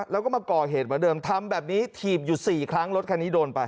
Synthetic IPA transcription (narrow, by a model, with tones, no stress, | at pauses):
lɛ˦˥wkɔː˥˩maː˧kɔː˨˩ɦeː˨˩t̪̚məː˩˦dɤː˧mt̪ʰa˧mbɛː˨˩p̚niː˦˥t̪ʰiː˨˩p̚juː˨˩siː˨˩kʰɾa˦˥ŋlo˦˥t̪̚kʰa˧niː˦˥doː˧npa˧j